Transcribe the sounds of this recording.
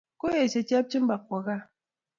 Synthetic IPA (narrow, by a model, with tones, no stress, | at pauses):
ko˦je˨t͡ʃe˨t͡ʃi˦a˦p̚t͡ʃi˦m˦ba˨k̚ʷa˨ɣa˦